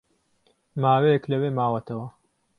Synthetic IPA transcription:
maːwejɛklɐweːmaːwɐt̪ʰɐwɐ

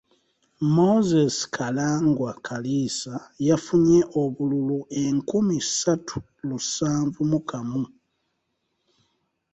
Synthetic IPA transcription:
mo̞zesi̥kʰalaːŋɡwakʰalisajafuɲeʔoβululuʔeŋkumisatʰu̥ | lusaːɱvumukʰamu

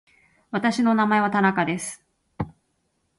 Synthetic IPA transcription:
βat̪aɕino̞namae̞β̞at̪anakad̪e̞sɨ̥

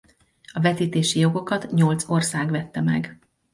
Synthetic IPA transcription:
ɒvɛt̪iːt̪eːʃijo̞ɡo̞kɒt̪ɲo̞lt̪so̞rsaːɡʋɛt̪ːɛmɛ̰ɡ

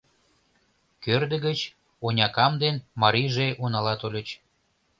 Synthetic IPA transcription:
kørd̪ə̆ɣət͡ɕ | onʲɑkɑmd̪enmɑɾiʒeʔunɑlɑt̪olʲət͡ɕ

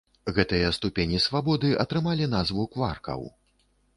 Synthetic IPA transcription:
ɣɛt̪ɨjɐst̪upʲenʲisvabɔd̪ɨʔɐt̪ɾɨmalʲin̪azvukvarkɐ̰w

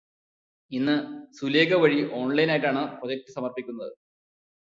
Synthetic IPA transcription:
inːɨsule̞ːɡɐʋɐɻiʔo̞ːɳlɐjinaːjiʈːaːɳɨpro̞d͡ʑɐk̚tːɨsɐmɐrpikʲːunːɐðɨ

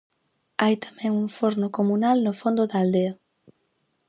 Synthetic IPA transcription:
ajt̪ḁmɛ̃ŋuŋfoɾnʊkomunalnʊfond̪ʊðaaːld̪eɐ

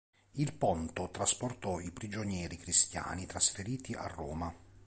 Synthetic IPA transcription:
ilpɔnt̪ot̪ɾasport̪ɔipɾid͡ʒonjɛːɾikɾist̪ja̰ːnit̪ɾasfeɾiːt̪iʔa̰rːoːma

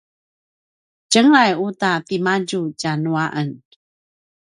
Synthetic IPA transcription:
d͡ʒəŋajutapimaɟuɟanuaʔən

